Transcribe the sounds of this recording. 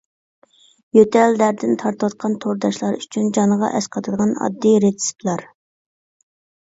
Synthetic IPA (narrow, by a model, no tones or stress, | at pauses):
jøt̪ʰɛld̪æɾd̪ɪnt̪ʰɑɾt̪ʰwɑt̪̚qʰɑnt̪ʰoɾd̪ɑʃlˠɑɾyt͡ʃʰynd͡ʒɑnʁɑ̰ʔɛsqʰɑt̪ʰɨd̪əʁɑnɑ̰d̪ːiɾet̪si̥plˠɑɾ